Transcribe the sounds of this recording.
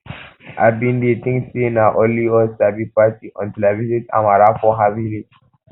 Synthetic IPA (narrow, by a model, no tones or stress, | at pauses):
ʔa̰bĩndetĩŋsinaʔɔliɔsabipatiʔɔ̰̃ntilavizita̰maɾafɔɦaviɾi